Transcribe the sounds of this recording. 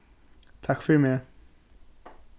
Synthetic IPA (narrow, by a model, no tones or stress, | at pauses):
t̪ʰakːfœɾɛmeː